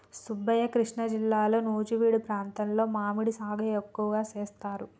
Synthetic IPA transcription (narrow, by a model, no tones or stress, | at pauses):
subːɐjɐkɾiʂɳɐd͡ʒilːaːlo̞ːnuːd͡ʒiʋiːɽupɾaːnt̪ɐnlo̞ːmaːmiɽisaːɡɐekːuʋɐɡaːt͡ʃeːst̪aːɾu